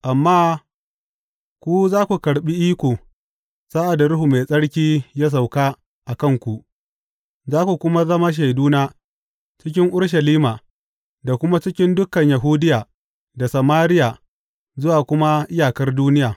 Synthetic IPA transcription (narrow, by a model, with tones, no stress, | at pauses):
ʔa˨mːaː˦ | kʷu˦zaː˦kʷu˨kɐ˨ɽɓi˦ʔiː˦kʷoː˨ | saː˦ʔa˨da˨ɾʊ˦ɦu˨ma˨sʼɐ˦ɽkʲiː˦ja˦s̬a˨wkaː˦ | ʔa˨kɐ˦˨ŋkʷu˨ʔ | zaː˦kʷu˨kʷʊ˦ma˦zɐ˦ma˦ʃ̬a˨jduː˦naː˦ | t͡ʃɪ˦k̬ʲɪ˦ŋʔʊ˦ɽʃ̬ɐ˨liː˦maː˨ | da˨kʷʊ˦ma˦t͡ʃɪ˦kʲɪ˦ndʊ˦kɐ˨ɲja˨ɦuː˦dɪ˦jaː˨ | da˨sɐ˨maː˦ɾɪ˦jaː˨ | zʊ˦waː˨kʷʊ˦ma˦ʔɪ˦jaː˨kɐ˦rduː˦nɪ˦jaː˨